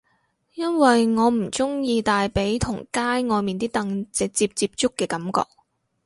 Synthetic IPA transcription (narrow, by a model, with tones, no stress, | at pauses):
jɐ˥nwɐ˨jŋɔː˨˧m̩˨˩t͡sʊ˥ŋjiː˧t̪aː˨jpe˨˥jt̪ʰʊ˨˩ŋkaː˥jŋɔː˨˧jmiː˨nt̪iː˥t̪ɐ˧ŋt͡sɪ˨˧k̚t͡siː˧p̚t͡siː˧p̚t͡sʊ˥kːɛː˧kɐ˨˥mkɔ̰ː˧k̚